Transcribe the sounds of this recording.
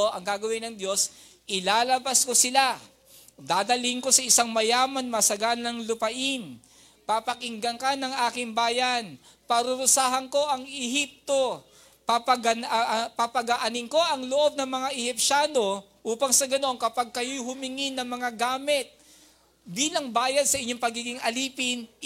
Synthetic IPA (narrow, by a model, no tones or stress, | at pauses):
ʔɐŋɡaːɡɐwɪnɐŋd̪jo̞s | ʔɪlaːlɐbɐsko̞sɪla | d̪aːd̪ɐlɪɪŋko̞sɐʔɪsaŋmɐjaːmɐnmɐsɐɡanɐŋlʊpɐʔɪn | papɐkɪŋɡɐŋkanɐŋaːkɪŋbaːjɐn | pɐɾʊɾʊsaːɦɐŋko̞ʔɐŋɛɦip̚t̪o̞ | pɐɡɐpɐpɐɡɐʔɐnɪŋko̞ʔɐŋloʔo̞b̚nɐŋmɐŋaʔɛhɪp̚ʃaːno̞ | ʔuːpɐŋsɐɡɐno̞ŋkɐpaɡ̚kɐjojhʊmɪŋɪnɐŋmɐŋaɡaːmɪt̪̚ | biːlɐŋbaːjɐd̪̚sɐʔɪɲːo̞ŋpɐɡiːɡɪŋɐliːpɪn